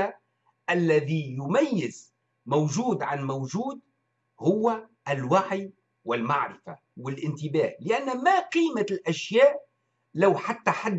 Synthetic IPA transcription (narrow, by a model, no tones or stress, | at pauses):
a | ʔælːæðijʊmæjːɪz | mowʒuːd̪ʕanmowʒuːd̪ | hʊwːæ | ɪlwaʕij | wɪlmaʕɾɪfa̰ | wɪlʔɪnt̪ɪbæːhlɪʔænːmæqiːmalʔæʃjæːʔ | lawħat̪ːaħad̪ː